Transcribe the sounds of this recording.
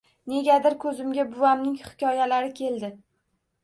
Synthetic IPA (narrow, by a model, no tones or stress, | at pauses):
ne̞ɡʲad̪ɪɾkʰɵzɪmɡʲabʊvamnɪŋhɪ̥kʲʰɒjalaɾɪkʲʰe̞ld̪ɪ